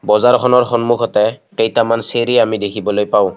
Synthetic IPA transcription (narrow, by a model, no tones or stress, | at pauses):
bɔzaɹkʰɔnɔɹxɔnmukʰɔtɛkejtamanseɹiamidekʰibɔlojpaʊ̃